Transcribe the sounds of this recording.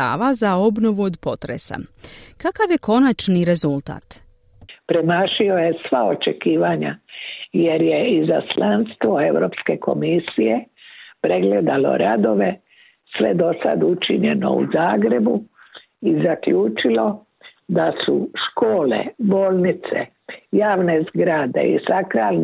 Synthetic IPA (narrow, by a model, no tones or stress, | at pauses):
a̰ʋazao̞bno̞ʋuod̪po̞t̪ɾesa̰kakaʋjeko̞nat͡ʃniɾe̞zulˠt̪a̰ːt̪ | pɾemaːʃiojesʋaot͡ʃekiːʋaɲa̰je̞ɾjeizaslanst̪ʋoeʋɾo̞ːpske̞ko̞̰misijepɾe̞ɡled̪alo̞̰ɾad̪o̞ʋe̞ | sʋḛd̪o̞sa̰d̪ut͡ʃiɲeno̞̰ṵzaːɡɾe̞bu | izakʎuːt͡ʃilo̞ | d̪asuʃkoːlḛboːlnit̪sḛ | jaːʋne̞zɡɾad̪e̞̰ḭsakɾaːln